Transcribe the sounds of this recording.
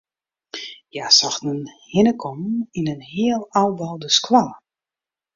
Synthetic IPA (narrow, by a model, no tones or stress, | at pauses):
jasaxnənhɪnəkʰɔminənhiəlˠawbɔlˠdəskwalˠə